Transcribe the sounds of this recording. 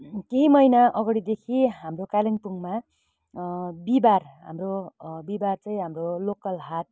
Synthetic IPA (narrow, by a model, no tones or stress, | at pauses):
keɦimʌjnaʔʌɡʌɽid̪ekʰiɦamrokalʌnpuŋma | bibarɦa̰mrobibart͡saĩɦamrolokʌlɦat̪̚